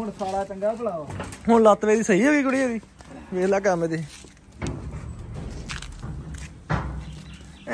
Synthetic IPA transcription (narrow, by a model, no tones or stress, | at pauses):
ɦʊɳsaːɽaːt͡ʃəŋɡaːpəɽaːoːɦʊɳlaːt̪ʋeːd̪iːsəɦiːoːɡiːkʊɽiːɦoːɡiː | ʋeːlaːkamd̪iː